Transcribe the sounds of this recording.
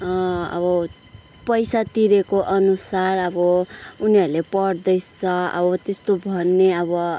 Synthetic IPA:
ʌʌ̰bʌ | pʌjsat̪iɾekoʔʌnusarʌbʌuniʌɾulepʌɽd̪ʌjt͡sʰʌʌ̰bʌt̪est̪obʱʌnːeʌbʌ

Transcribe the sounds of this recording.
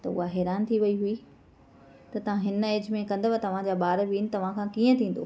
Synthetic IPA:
t̪ɐʊ̰ɦaɦɛːɾaːnt̪ʰiʋɐiɦui | t̪ɐt̪ɐʋ̤ãɦɪneːd͡ʑmẽkɐ̃nd̪əʋat̪ɐʋ̤ãd͡ʑaːɓaːɾʋiːnɪ̆t̪ɐʋ̤ãkʰãːkiːə̃t̪ʰĩːn̆d̪o̰ː

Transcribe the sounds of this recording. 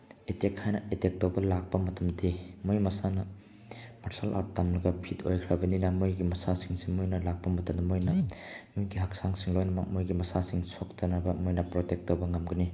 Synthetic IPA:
etekhajnɐetek̚tobɐlak̚pɐmɐtʰɐmdimojmɐsanɐ | maɾsalʔa̰tamlɐɡɐpʰitʰo̰jkʰɾabɐninɐmojɡimɐsasiŋsimojnɐlak̚pɐmɐtɐnɐmojnɐmujɡiɦɐk̚saŋsiŋlojnɐmɐk̚mojɡimɐsasiŋsok̚tʰɐnabɐmojnɐpɾotek̚tobɐŋɐmɡɐni

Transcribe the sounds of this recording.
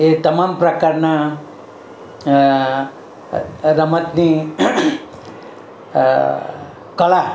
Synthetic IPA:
et̪əmampɾəkaɾna | ɾəmət̪ni | kəla

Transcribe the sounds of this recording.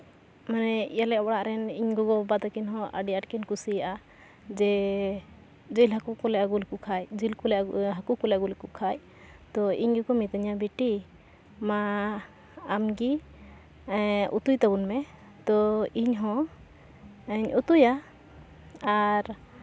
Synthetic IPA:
manɛijalɛʔbɔɽaʔɾɛniɲɡɔɡɔbad̪akinɦɔ̃ʔə̰ɖiaʈ̚kɛnkusijaʔa | d͡ʒɛ | d͡ʒilɦakukɔlɛʔaɡulkukʰajd͡ʒilkulɛʔɦakukulɛɡulkukʰaj | t̪ɔḭɲɡɔkɔmit̪aɲabiʈi | maː | mɡi | ʔṵt̪ujt̪abunmɛ | t̪ɔiɲɦɔ̃ | ɛɲut̪uja | aɾ

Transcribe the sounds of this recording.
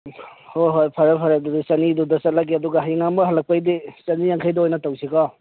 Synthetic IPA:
hoɦojpʰɐɾapʰaɾadudisɐnidudɐsɐt̚laɡeɐduɡaɦajŋambɐɦɐlɐk̚pajdisɐnijaŋkʰajdɔojnɐtawsikɔ

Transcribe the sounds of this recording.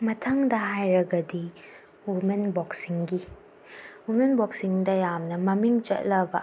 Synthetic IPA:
mɐtʰɐŋdɐɦajɾɐɡɐdi | umenbɔksiŋɡi | umenbɔksiŋdɐjamnɐmɐmiŋt͡ʃɐ̰t̚lɐbɐ

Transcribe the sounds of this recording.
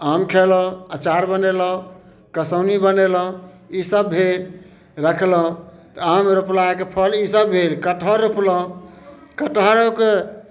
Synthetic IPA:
amkʰelə̃ət͡ʃaɾbəneləũ | kəsəʊnibəneləũ | isəbbʱel | ɾəkʰlũ | t̪ɔamɾuplakepʰəlisəbbʱelkəʈɦəɾːupləũkəʈɦəɾoke

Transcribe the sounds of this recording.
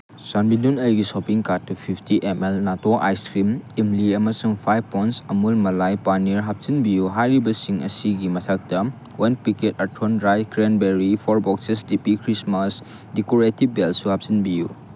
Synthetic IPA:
sanbinunɐjɡisɔpiŋkat̚ːupʰipʰtiʔemelnatoʔa̰jstɾimimliɐmɐsuŋpʰajbpːɔjntsɐmulmɐlajpaniɾɦap̚sinbijuɦajɾibɐsiŋɐ̰siɡimɐtʰak̚dɐ | wɐnpiketɐtʰonɾajkɾenbeɾipʰɔɾbɔksesdipikʰɾismɐs | dekoɾetib̚belsuhap̚sinbiju

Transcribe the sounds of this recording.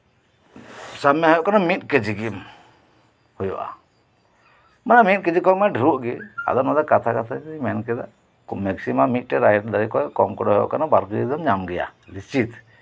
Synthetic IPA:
samjaɦɔjɔʔkanamit̪̚ked͡ʒiɡim | hɔjɔ̰ʔa̰ | manamit̪̚ked͡ʒikɔmaɖʱɾuʔɡia̰d̪ɔnɔd̪akat̪ʰakat̪ʰaimɛnkɛd̪a̰ | kumɛksimamit̪̚ˀʈɛɾajʈd̪aɾikɔɛkɔmkɔɽɔɦɔjɔ̰ʔkanabaɾkid̪ɔmɲamɡɛja̰list͡ʃit̪

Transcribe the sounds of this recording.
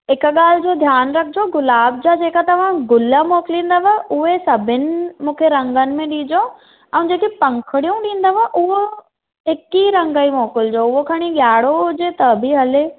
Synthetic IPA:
ɦɪkɠaːl̤ɪd͡ʑoːd̪ʱjaːnɾɐkʰɪd͡ʑoɡʊlaːb̚d͡ʑaːd͡ʑeːkat̪ɐʋ̤ãɡʊləmɔːkɪlĩːn̆d̪aʋaʔʊɦesɐbʱɪnɪ̆mũːkʰeɾɐ̃ŋɡənɪ̆mẽɗĩːd͡ʑo | ɛ̃ːd͡ʑeːkepɐ̃ŋkʰəɽijũɗĩːn̆d̪aʋaʔʊɦo | ɦɪkiɾɐ̃ŋɡəimɔːkɪld͡ʑoʊɦokʰɐɽ̃iɠjaːɽoɦʊd͡ʑet̪ɐbɪɦɐle

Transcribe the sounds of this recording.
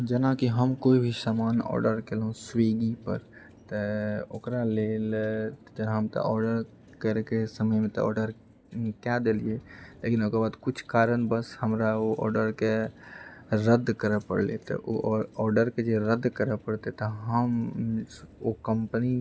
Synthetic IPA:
d͡ʒənakiɦəmkoibʱisamaːnɔ̰ːɾɖəɾkelɦũsweɡipə̰ɾ | t̪əokɾaleːld͡ʒənɦəmt̪ə̰ʔɔːɾɖəɾ | kəɾekesəməjmẽt̪ɔ̰ɔ̰ːɾɖəɾ | kjad̪elielekinokebaːd̪kʊt͡ʃʰkaːɾənbəshəmɾaoʔɔ̰ːɾɖəɾke | ɾəd̪kəɾəpə̰ɽlet̪ɔ̰ʔoɔːɾɖəɾked͡ʒeɾəd̪ːkəɾəpəɽt̪et̪ɔɦəm | okəmpni

